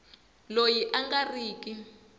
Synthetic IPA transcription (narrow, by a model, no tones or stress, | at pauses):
lojiʔaŋɡariːk̬ʼi